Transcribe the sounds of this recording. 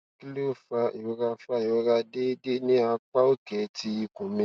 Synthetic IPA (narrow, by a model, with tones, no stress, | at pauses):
ki˦lo˦˨fa˧˨o˨˦ɾa˧fa˧˨o˨˦ɾa˧de˦de˦nĩ˦a˧k͡pa˦o˦kɛ˨ti˧˦i˧kũ˨mĩ˧˦